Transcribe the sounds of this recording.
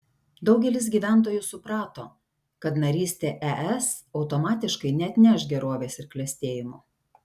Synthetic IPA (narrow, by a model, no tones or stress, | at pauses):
d̪ɒʊɡʲɛlʲɪs̬ɡʲiːʋʲæˑnˑt̪̬oːjʊsʊpɾɑːt̪oː | kɐt̪nɐɾʲiːsʲt̪ʲeːʔɛʔɛsɒʊt̪omɑːt̪ʲɪʃkɐɪnʲɛt̪ʲnʲɛʃɡʲɛɾoːʋʲeːsɪɾklʲɛsʲt̪ʲeːjɪmoː